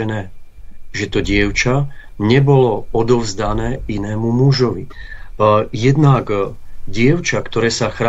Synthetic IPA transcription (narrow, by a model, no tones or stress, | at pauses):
ɛnɛː | ʒɛt̪ɔɟɪɛʊt͡ʃaɲɛbɔlɔɔd̪ɔʊzd̪anɛːinɛːmumuʒɔʋḭ | jɛd̪nak | ɟɪɛʊt͡ʃakt̪ɔɾɛːsaxɾa